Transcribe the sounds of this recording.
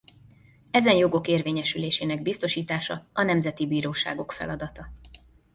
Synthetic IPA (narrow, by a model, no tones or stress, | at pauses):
ɛzɛnjo̞ɡo̞keːrveːɲɛʃyleːʃeːnɛɡbist̪o̞ʃiːt̪aːʃɒɒnɛmzɛt̪ibiːɾoːʃa̰ːɡo̞kfɛ̰lɒd̪ɒt̪ɒ